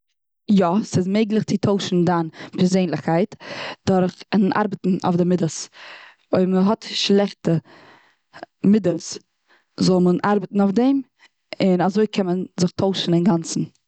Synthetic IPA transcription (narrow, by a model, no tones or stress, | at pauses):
jɔsɪzmeɪɡlˠɪχt͡sɪtʰoʊʃn̩danpɛɾzeɪnlˠəχkʰaɪtd̥ʊɾχɪnʔa̰ɾbətn̩ɔ̰fdɪmɪdəs | oɪməɦɔtʃlˠɛχtə | mɪdəlˠs | zɔlˠmənʔaɾbətn̩ʊfdɛm | ɪnazoɪkʰɛmənzɪχtʰoʊʃn̩ɪnɡant͡sn̩